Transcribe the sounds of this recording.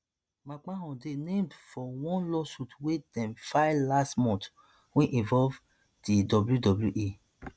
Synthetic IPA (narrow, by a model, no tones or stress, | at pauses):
mãk͡paɦɔ̃denẽmdfɔwɔ̃nlɔsutwedɛ̃mfaɪlastmɔ̃nt | wẽʔĩnvɔv | didɔbljudɔbljuʔe